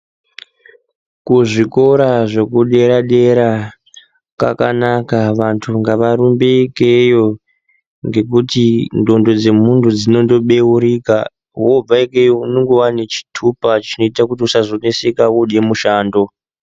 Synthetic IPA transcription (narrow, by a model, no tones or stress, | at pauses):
kuʐiko̞ɾaʐe̞kuɗe̞ɾaɗe̞ɾa | ka̰kanakaʋantʰuŋɡaʋaɾumbekejo | ŋɡe̞k̬utindo̞ndo̞d͡ze̞muntʰud͡zino̞ndo̞ɓe̞uɾika | ɦob͡vaikejouneŋɡowanet͡ʃi̥tʰupat͡ʃino̞itakutiusazonesekawuɗe̞muʃaːndo̞